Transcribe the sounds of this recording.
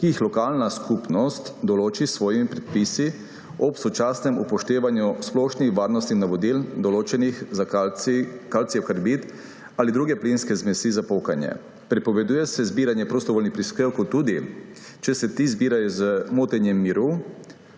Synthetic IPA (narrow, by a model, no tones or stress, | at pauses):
kijːxlɔkalnaskupnɔst̪d̪ɔloːt͡ʃisʋɔːjimipɾɛt̪̚pisi | ɔpsɔt͡ʃaːsnɛmupɔʃt̪eːʋanjusplɔʃnixʋaːɾnɔst̪inaʋɔd̪ild̪ɔloːt͡ʃɛnixza | kalt̪siɛkaɾbit̪ | alid̪ɾuːɡɛplinskɛzmɛsizapokanjɛ̰ | pɾipɔʋɛd̪uːjɛsɛzbiːɾanjɛpɾost̪ɔʋoːlnixpɾiskɾewkɔt̪ːuːd̪i | t͡ʃɛsɛt̪izbiːɾajɔzəmoːt̪ɛnjɛmːiɾu